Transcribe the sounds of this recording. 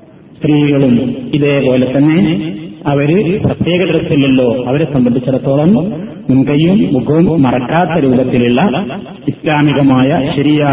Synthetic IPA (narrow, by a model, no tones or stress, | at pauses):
st̪riːɣɐɭumiðe̞ːpo̞ːle̞t̪ːɐnːe̞ɐʋɐɾɨprɐt̪jeːɣɐd̪ɾɐsilːilːo̞ːɐʋɐɾesɐmbɐnɖ̪ʱit͡ɕːɐɽɐt̪ːo̞ːɭɐm | mumɡɐjumːuɡʱɐʋɐmːɐrɐkːaːt̪ːɐɾuːɐbɐt̪ːiliɭːɐ | islaːmiɣɐmaːjɐɕɐɾijaː